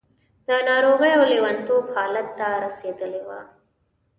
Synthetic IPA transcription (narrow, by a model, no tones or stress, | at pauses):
d̪ɐnaːɾoːɣɐjɐwleʋɐnt̪oːpʰaːlɐt̪ːaːɾɐsed̪ɐleʋa̰ː